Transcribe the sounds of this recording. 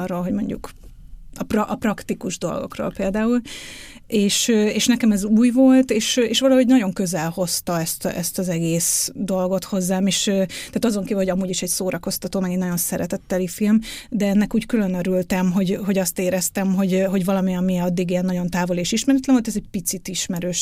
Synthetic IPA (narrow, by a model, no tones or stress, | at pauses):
roːlɦo̞ɟmo̞ɲɟṵk | ɒprɒʔɒprɒkt̪ikuʒd̪o̞̰lɡo̞̰kro̰ːlpeːld̪aːul | eːʃeːʃnɛkɛmɛzuːjvo̞lt̪eːʃeːʃʋɒlɒho̞ɟnɒɟo̞ŋkøzɛlho̞st̪ɒɛst̪ʔɛst̪ɒzɛɡeːsd̪o̞lɡo̞t̪ho̞zːaːmeːʃøt̪æaːt̪ɒzo̞ŋkiːvlho̞ɟɒmuːɟiʃɛcsoːɾɒko̞st̪ɒt̪oːmɛɡɛɲnɒɟo̞nsɛɾɛt̪ɛt̪ːɛlifilmd̪ɛɛnːɛkuːckylø̞nøɾylt̪ɛmɦo̞ɟɦo̞ɟɒst̪eːɾɛst̪ɛmɦo̞ɟɦo̞ɟvɒlɒmiɒmiɒd̪ːiɡiɛnːɒɟo̞nt̪aːvo̞leːʃiʃmɛɾɛt̪lɛɱvolt̪ɛzɛɟ̚pit̪sit̪iʃmɛɾøːʃ